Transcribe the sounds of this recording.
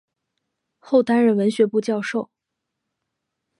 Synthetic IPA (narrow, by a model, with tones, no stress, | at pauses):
xo˥˩ʊt̪a˥nɻə˧˥˩nwə˧˥nɕɥɛ˧˥pu˥˧t͡ɕjɑ˥˧ʊʂo˥˩ʊ